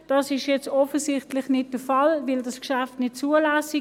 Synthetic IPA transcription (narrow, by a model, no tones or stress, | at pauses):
d̥ɑːsɪʃjɛt͡stɔfəsɪχtlɪχnɪt̚d̥əfɑlvɪldɑskʃæftnɪt̚t͡suːəlæːsi